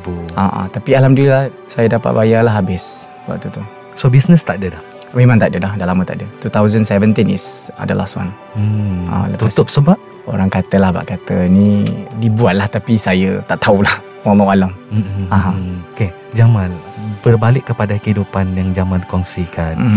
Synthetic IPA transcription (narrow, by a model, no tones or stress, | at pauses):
buaʔa̰t̪apialamduilah | sajədapa̰ʔ̪̚bajalaɦabɪs | ba̰ʔt̪ut̪u | sobisnəst̪aʔdədah | memãnt̪aʔdədahdalamə̃t̪a̰ʔdət̪ut̪awzənsɛvənt̪inḭsa̰dəla̰swa̰n | a̰lat̪ut̪ʊp̚səbap̚ | o̰ɾaŋkat̪əlahba̰ʔkat̪ənidibuaʔ̪̚laht̪apisajət̪aʔt̪aulah | walɔ̃walaməaɦãoke | d͡ʒamãnbərbalɪkːəpadakəidupanjaŋd͡ʒamãnkɔŋsikan